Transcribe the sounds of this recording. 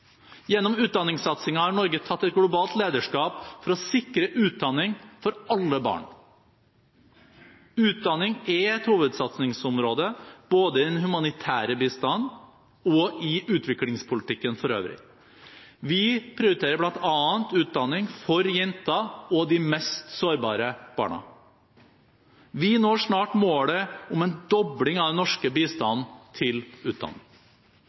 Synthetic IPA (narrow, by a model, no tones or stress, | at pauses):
jɛnːɔmʉːt̪̚d̪ɑnːɪŋsɑt̪sɪŋɑhɑɾɳɔɾɡət̪ʰɑt̪ːɛt̪̚ɡlʊbɑːlt̪leːd̪əʂkɑːpfɔɾɔsɪkɾəʔʉːt̪̚d̪ɑnːɪŋfɔɾɑlːəbɑ̰ːɳ | ʉːt̪̚d̪ɑnːɪŋɛɛt̪huːʋəd̪sɑt̪snɪŋsɔmɾoːd̪əb̥oːd̪əɪd̪ɛnhʉmɑnɪt̪ʰæːɾəbiːst̪ɑnː | ɔɪʔʉːt̪ʰʋɪklɪŋspʰʊlɪt̪ɪkːənfɔɾø̰ːʋɾɪ̰ | ʋɪpʰɾɪʊɾɪt̪ʰeːɾəblɑnt̪ʰɑːənt̪ʉːt̪̚d̪ɑnːɪŋfɔɾjɛnt̪ɑɔd̪ɪmɛst̪soːɾbɑːɾəb̥ɑ̰ːɳɑ̰ | ʋɪnoːʂnɑːʈmoːləʊmɛnd̪ɔblɪŋɑd̪ɛnɔʂkəbiːst̪ɑnːt̪ʰɪlʉːt̪̚d̪ɑ̰nːɪ̰ŋ